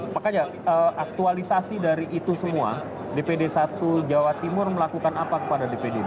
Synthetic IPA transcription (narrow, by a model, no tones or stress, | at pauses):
pakad͡ʒa | əak̚t̪ualisasidaɾiʔːt̪usəmua̰ | depedesat̪ud͡ʒawat̪imʊrməlakukanapakəpadadepede